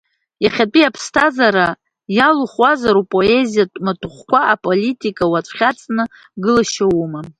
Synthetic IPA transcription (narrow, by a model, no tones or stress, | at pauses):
jaχʲat͡pʼiapʰstʰazaɾa | jaluχwazaɾupʼo̞ezijatʼmatʰuχʷkʷaapʼolitʼikʼawat͡sʷʼχʲat͡sʼnɨ | ɡɨlaʃawuma